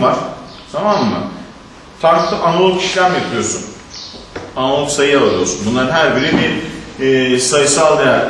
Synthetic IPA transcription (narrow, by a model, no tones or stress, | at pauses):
aɾ̥ | t̪ʰamamːa̰ | faɾklˠɯʔanalˠoki̥ʃlʲæmjap̪ʰɯjo̞sun | analˠoksajɯaaɾɯjo̰sunbunˠaɾnɦæɾbiɾiniː | sajɯsalˠd̪ejæɾ